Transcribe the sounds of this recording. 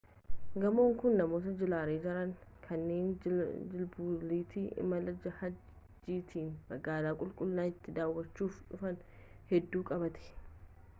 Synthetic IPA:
ɡɐmo̞ːŋkʊnːɐmo̞ːt̪ɐd͡ʒɪlaːɾeːd͡ʒɐɾɐŋkʰɐnːe̞ːnd͡ʒɪlbuːliːt̪iːʔɪ̰mɐlɐd͡ʒɐhɐd͡ʒ | d͡ʒːiːt̪ʰiːnmɐɡaːlaːkʼʊlkʼʊlːaːɪt̪ːɪd̪aːwːɐt͡ʃːuːfᶑʊfɐn | hɛd̪ːuːkʼɐbɐt̪ɛ̥

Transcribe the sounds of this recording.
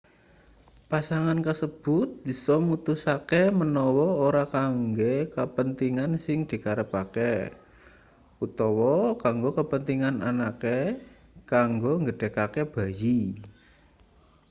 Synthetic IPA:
pasaŋankəsəb̥ʊt̪̚b̥i̤sɔmut̪usakemənɔwɔoɾakaŋɡekəpənt̪iŋansɪŋd̪̥i̤kaɾəpakɛ | ut̪ɔwɔkaŋɡokəpənt̪iŋananake | kaŋɡoŋɡəɖ̥e̤kakeb̥a̤ji

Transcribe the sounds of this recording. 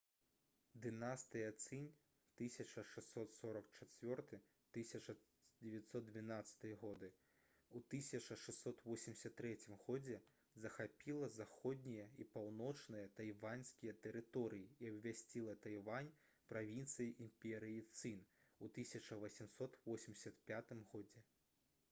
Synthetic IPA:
d̪ɨnast̪ɨjɐt̪sɨnʲ | t̪ɨsʲɐt͡ʂɐʂɛssːɔt̪sɔɾɐkt͡ʂat͡sʲvʲɔrt̪ɨ | t̪ɨsʲɐt͡ʂɐ | d͡zʲɛvʲjat̪sɔd̪̚d̪ʲvʲinat̪sɐ̥t̪ɨjɐɣɔd̪ɨ | ut̪ɨsʲɐt͡ʂɐʂɛsːɔt̪vɔsʲimʲdʲɪsʲɐt̪ːɾɛt͡sʲimɣɔd͡zʲɛ | zɐxapʲilˠɐzaxɔd̪ʲnʲijɐipawnɔt͡ʂnɨjɐt̪ajvanʲsʲkʲijɛt̪ɛɾɨt̪ɔɾɨjiiɐbʲvʲasʲt͡sʲilˠɐt̪ajvanʲ | pɾavʲint̪sɨjiʔimpʲɛɾɨjit̪sɨnut̪ɨsʲɐt͡ʂɐvɐsʲimsɔt̪vɔsʲimdʲsʲɐt̪pʲat̪ɨmɣɔd͡zʲɛ

